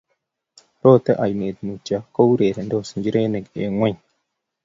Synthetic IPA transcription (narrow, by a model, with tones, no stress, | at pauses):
to˦˨t̪e˦ʔa˨jne˨d̪nu˨t͡ʃa˦ko˦wɾe˨ɾe˨ndo˦˨sə˨nd͡ʒi˦ɾe˦ne˨ɡe˨ŋwʷa˦ɲ